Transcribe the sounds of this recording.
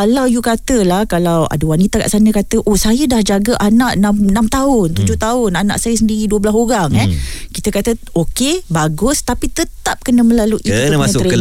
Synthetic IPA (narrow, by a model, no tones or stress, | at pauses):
kalawjukat̪əlahkalawa̰dəwanit̪aka̰ʔsanə̃kat̪əʔosajədahd͡ʒaɡəʔanaʔnamnamt̪aʊnt̪ud͡ʒʊht̪aʊnana̰ʔsajəsəndiɾiduəblasoɾaŋɛkit̪əkat̪ə | okebaɡʊst̪apit̪ət̪ap̚kənəmə̃laluʔiəɾə